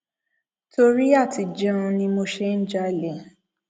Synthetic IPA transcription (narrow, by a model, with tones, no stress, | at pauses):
to˧ɾi˦a˦˨ti˨d͡ʒɛ̃˦˧nĩ˧mo˧ʃe˦n̩˦d͡ʒa˦˨le˨